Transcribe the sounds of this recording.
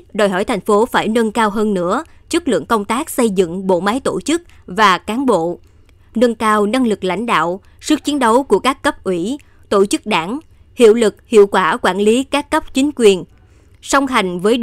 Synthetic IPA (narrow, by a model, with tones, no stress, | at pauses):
ɗɔː˨˩jɦɔ˧˩jt̪ʰjŋ̟fo˨˦faː˧˩jnə˧nkaː˧wɦəː˧nːɨ̰˧˥ət͡ɕɨ˦˥k̚lɨ̰˧˨əŋkə˧wŋ͡mt̪aː˦˥k̚sə˧jzɨ̰˧˨ŋɓo̰˧˨maː˨˦jt̪o˧˩t͡ɕɨ˦˥k̚vaː˨˩kaː˨˦nɓo̰˧˨ | nə˧nkaː˧wna˧ŋlɨ˨˩k̚la̰˧˩jŋ̟ɗa̰ː˧˨w | sɨ˦˥k̚t͡ɕi˨˦ənɗə˨˦wku˧˩əkaː˦˥kːə˦˥p̚ʔwi˧˩ | t̪o˧˩t͡ɕɨ˦˥k̚ɗaː˧˩ŋ | hḭ˧˨əwlɨ˨˩k̚hḭ˧˨əwkwaː˧˩kwaː˧˩nli˨˦kaː˦˥kːə˦˥p̚t͡ɕï˨˦ŋ̟kwi˨˩ən | sə˧wŋ͡mɦa˨˩jŋ̟vəː˨˦j